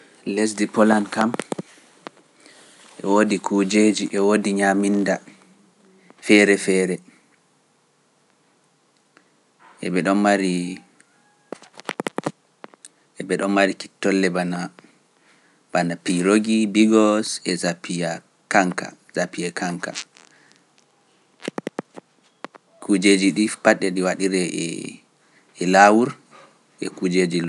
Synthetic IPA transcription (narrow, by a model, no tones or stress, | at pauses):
les̬dipɔlankam | ʔɛ̰wodikʰud͡ʒed͡ʒiʔɛwodiɲaminda | fɛɾɛfɛːɾɛ | ʔɛbɛɗɔnmaɾi | ɛbɛɗɔmmaɾiki̥tːɔlːɛbana | banapiɾoɡibiɡɔsɛzapia | kaŋka̰zapijɛkʰaŋka̰ | kʰud͡ʒed͡ʒiɗipaɗɛɗiwaɗiɾɛ | ɛlawuɾ | ʔɛ̰kud͡ʒed͡ʒilɔ